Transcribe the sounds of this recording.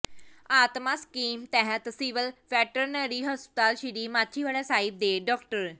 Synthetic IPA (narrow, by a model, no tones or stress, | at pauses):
aːt̪maːskiːmt̪ɛːɦət̪siʋəlʋɛːʈəɾnəɾiːɦɔspɪt̪aːlʃiɾiːmaːt̪ʰʃʰiːʋaːɽaːsaːɪb̚d̪eːɖɔːkʈəɾ